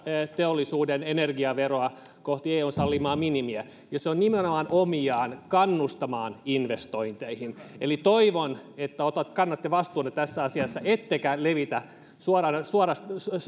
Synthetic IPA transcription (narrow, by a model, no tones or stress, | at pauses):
t̪eolːˑisuːdenenerɡiɑʋeroɑ | koht̪ieːuːnsɑlːimɑːminimiæ | jɑseonnimenomɑnʔomiɑːnkɑnːust̪ɑmɑːninʋest̪oint̪eihinelit̪oiʋonet̪ːæot̪ɑt̪kɑnːɑt̪ːeʋɑst̪uːnːet̪æsːæɑsiɑsːɑʔet̪ːekæleʋit̪æ | suɑrɑnsuɑrɑst̪